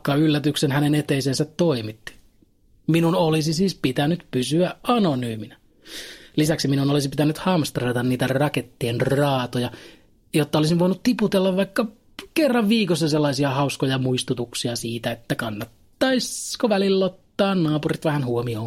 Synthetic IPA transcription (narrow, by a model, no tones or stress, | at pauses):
kːɑylːæt̪yksenhænenet̪eisensæt̪toimit̪ːi̥ | minunolisisiːspit̪ænyt̪pysyæɑnonyːminɑ | lisæksiminunolisipit̪ænyt̪hɑmst̪rɑt̪ɑnniːt̪ærɑket̪ːienrɑːt̪ojɑ | jot̪ːɑolisimʋoinut̪t̪iput̪elːɑʋʋɑikːɑ | kerːɑʋʋiːkosːɑselːɑisiɑhɑuskojɑmuist̪ut̪uksiɑsiːt̪æet̪ːækɑnːɑt̪ːɑiskoʋælilːot̪ːɑːnnɑːpurit̪ʋæhænhuomioː